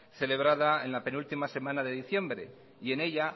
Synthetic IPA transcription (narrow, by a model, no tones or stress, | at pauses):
θe̞le̞β̞ɾaðae̞nlape̞nult̪imase̞mãnaðe̞ðiθje̞mbɾe̞̰ | ie̞ne̞ʎa